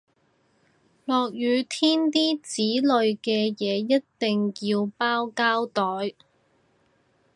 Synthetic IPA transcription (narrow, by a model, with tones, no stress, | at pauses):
lɔː˨k̚jyː˨˧t̪ʰiː˥nt̪iː˥t͡siː˨˥lɵ˨˧ɥkɛː˧jɛː˨˧jɐ˥t̚t̪e˨ŋjiː˧wpaː˥wkaː˥wt̪ɔː˨˥j